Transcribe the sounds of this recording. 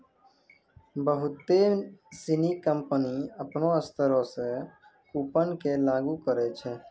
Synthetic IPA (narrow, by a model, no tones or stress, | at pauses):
bəɦʊt̪esinikə̃mpəniəpnõəst̪ʰəɾõse | kuːpənkelaːɡukəɾɛt͡ʃʰɛː